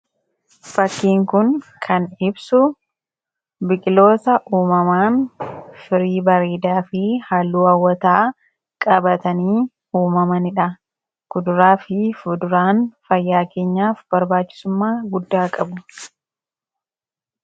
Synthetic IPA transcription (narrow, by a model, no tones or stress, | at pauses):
fɐkːiːŋkʊnkʰɐnɪbsʊ | bɪkʼɪlo̞ːt̪ɐʔuːmɐmaːnfɪɾiːbɐɾeːd̪aːfɪhaːlːuːɐwːɐt̪aː | kʼɐbɐt̪ɐniː | uːmɐmɐnɪᶑɐ | kʊd̪ʊɾaːfɪfʊd̪ʊɾaːnfɐjːaːke̞ːɲːaːfbɐɾbaːt͡ʃːɪ̥sʊmːaːɡʊd̪ːaːkʼɐbʊ